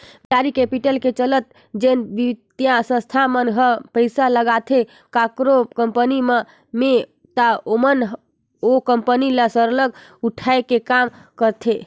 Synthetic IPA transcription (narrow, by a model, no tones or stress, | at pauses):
aɾikepiʈəlket͡ʃələt̪̚ | d͡ʒenbid̪jãsə̃st̪ʰamənɦəpəɪsaləɡat̪ʰe | kakɾokəmpənime | me | t̪aomənɦ | okəmpənilasəɾləɡuʈʰaekekamkəɾt̪ʰe